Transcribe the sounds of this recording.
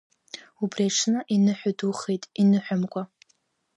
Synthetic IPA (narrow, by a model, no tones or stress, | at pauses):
ubraʈ͡ʂʰnɨʔinɨħʷᶣʊduχejtʼinɨħʷᶣamkʷʼa